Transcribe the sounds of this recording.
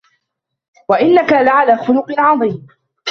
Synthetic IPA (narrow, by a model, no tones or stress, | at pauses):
waʔɪnːakalaʕalaːxʊlʊqɨʕɑðˤiːm